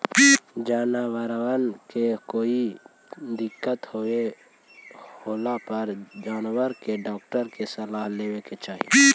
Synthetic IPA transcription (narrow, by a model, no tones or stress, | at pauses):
d͡ʒaːnawəɾawənkekoːi | d̪ɪkːət̪hoe | hoːlapəɾd͡ʒaːnwəɾkeɖɔːk̚ʈəɾkesəlaːɦleːweket͡ʃaːɦḭ